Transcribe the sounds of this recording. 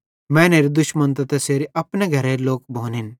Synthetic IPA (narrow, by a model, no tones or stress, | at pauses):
mɛ̃ːneːɾid̪ʊʃmənt̪ɐt̪ɐseːɾiʔɐpneɡʱɐɾeːɾloːkbʱõːnin